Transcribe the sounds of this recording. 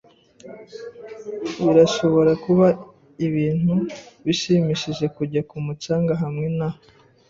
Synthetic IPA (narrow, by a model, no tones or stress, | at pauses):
βiɾaʃo̞βo̞ɾakuβa | iβiːn̥huβiʃimiʃiʒe̞kuɟakumut͡ʃaːŋɡaɦamŋe̞na